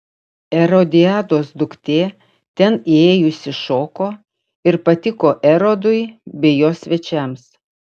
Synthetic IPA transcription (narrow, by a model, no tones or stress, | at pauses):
ɛɾod̪ʲɪæːd̪oːsd̪ʊkt̪ʲeː | t̪ʲɛnieːjʊsʲɪʃoːkoː | ɪɾpɐt̪ʲɪkoːʔɛɾod̪ʊɪbʲɛjoːsʲʋʲɛt͡ʃʲɛms